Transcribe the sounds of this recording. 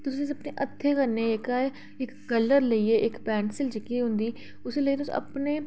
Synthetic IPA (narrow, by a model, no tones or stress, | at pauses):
t̪ʊsĩəpneʔət̪ʰːekəɾneːeka | ɪkkəlːəɾləiɛːʔɪkpɛːɳsɪld͡ʒɪkːiːɦʊ̃nd̪iː | ʊseləiːt̪ʊsḭ̃ɐ̰pneː